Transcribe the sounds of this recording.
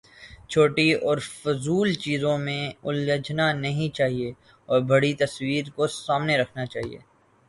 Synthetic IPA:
t͡ʃʰoːʈiɔːɾfʊzuːlt͡ʃiːzõmẽʊlːəd͡ʒnanɐɦĩt͡ʃaːɦie | ɔːɾbɐɽit̪ɐswiːɾkosaːmneɾɐkʰnat͡ʃaːɦḭḛː

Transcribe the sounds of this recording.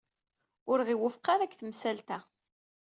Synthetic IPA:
ʊɾʁiwʊfqaɾakːθəmsælt̪æ

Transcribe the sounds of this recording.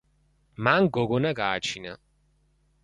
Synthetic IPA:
maŋɡɔɡɔnaɡaːt͡ʃʰina

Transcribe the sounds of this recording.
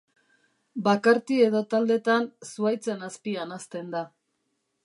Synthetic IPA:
bakaɾt̪ie̞ðo̞t̪ald̪e̞t̪ansuajt͡se̞naspianast̪e̞nd̪a

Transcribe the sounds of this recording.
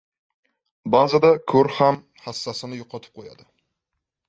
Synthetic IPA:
bazad̪akʰɵɾham | hasːasɪnɪjoqʰɑt̪ʰɪ̥p̚qʰoja̰d̪ɪ

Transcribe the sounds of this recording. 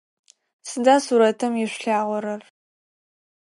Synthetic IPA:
sɨdaːsuːɾɐtʰɐmjɪɕʷɬaːʁʷɔɾɐr

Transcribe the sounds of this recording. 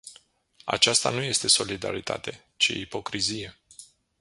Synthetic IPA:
a̰t͡ʃast̪a̰nuje̞st̪e̞so̞lid̪a̰ɾit̪ʰa̰t̪e̞ | t͡ʃiipo̞kɾizije̞

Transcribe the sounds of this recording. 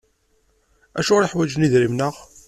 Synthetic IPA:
æ̰ʃʊʁɾiħwæd͡ʒniðɾimnəʁ

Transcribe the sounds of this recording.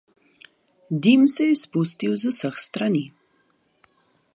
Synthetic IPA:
d̪imsejspust̪iwzəsaxst̪ɾani

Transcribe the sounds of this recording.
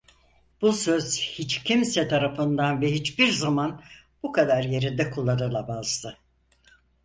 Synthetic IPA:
b̥usøz̥hit͡ʃcʰimsɛt̪ʰaɾafɯnd̪anvɛɦit͡ʃbiɾzaman | bukʰad̪aɾje̞ɾind̪ɛkʰulˠːanɯlˠabazt̪ɯ

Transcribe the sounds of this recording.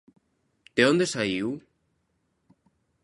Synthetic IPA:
t̪eond̪esaiw

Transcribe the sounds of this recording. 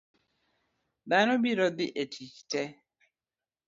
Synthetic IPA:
danobiɾɔd̪ɪʔetʰit͡ʃtɛ

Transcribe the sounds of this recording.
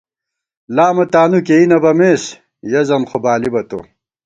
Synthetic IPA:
laːmɐt̪aːnukeinɐbɐmeːs | jɐzɐmχobaːlibɐt̪o̰

